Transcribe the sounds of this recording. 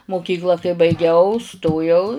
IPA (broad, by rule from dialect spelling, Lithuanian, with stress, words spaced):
moːˈkʲiːklˠɐ kɐɪ bɐɪˈɡʲɛʊ ˈstoːjɛʊ